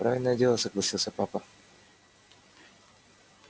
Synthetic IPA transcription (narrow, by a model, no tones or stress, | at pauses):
pɾavʲɪlʲnəjədʲelˠəsəɡlˠɐsʲilˠsʲəpapə